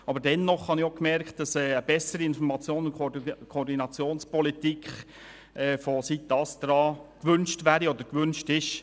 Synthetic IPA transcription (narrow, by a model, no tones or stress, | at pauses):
ɑbəɾdɛnːɔχhɑnɪχokmɛɾkt̚d̥ɑsɛːəb̥ɛsəɾiɪnfɔɾmɑt͡sjoːnʊnkʰoɔːɾdinɑt͡sjoːnspɔlit̪ikχ | ɛfɔsit̪ɑstɾɑːkʋʏnʃtʋæːɾiɔd̪əɾkʋʏnʃtɪʃ